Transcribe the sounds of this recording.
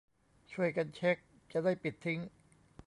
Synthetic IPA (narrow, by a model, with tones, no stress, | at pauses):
t͡ɕʰu˧˥˩əjka˧nt͡ɕʰe˦˥k̚ | t͡ɕa˨˩daː˥˩jpi˨˩t̪ʰːi˦˥ŋ